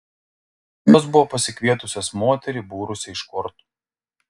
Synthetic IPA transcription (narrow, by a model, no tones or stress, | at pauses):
joːs̬bʊʋoːpɐsʲɪkʋʲiɛt̪ʊsʲɛsmoːt̪ʲɛɾʲɪbuːɾʊsʲɪɪʃkɔɾt̪u̥